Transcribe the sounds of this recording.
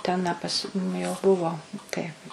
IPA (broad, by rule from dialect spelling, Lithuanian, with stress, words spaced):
ˈtʲɛn ɐ ˈpɐs nʊ jɛʊ ˈbʊʋoː tɐɪ